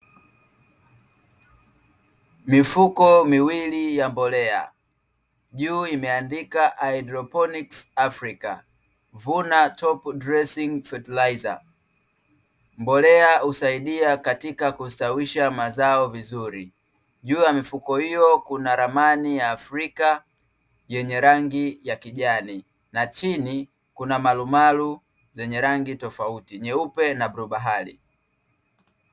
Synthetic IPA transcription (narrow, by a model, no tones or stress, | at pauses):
mifukɔmiwilijambɔlɛa̰ | ʄuːimɛandikaʔaidɾɔpɔniksafɾika̰ | vunatʰɔpdɾɛsiŋfɛtilaza̰ | mbɔlɛausaiɗiakatikakustawiʃamazaɔvizuɾi | ʄuːjamifukɔhijɔkunaɾamanijaːfɾika | jɛɲɛɾaŋɡijakiʄani | nat͡ʃini | kunamalumalu | zɛɲɛɾaŋɡitɔfautiɲɛupɛnabɾuɓaɦalḭ